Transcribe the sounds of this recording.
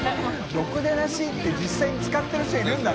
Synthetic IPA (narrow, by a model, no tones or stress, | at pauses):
jo̞kɯ̟d̪eɾaɕiːt̪ːe̞d͡ʑisːaiɲ̟it͡sɨ̥kat̪ːeɾaɕtaiɾɯ̟̃nd̪a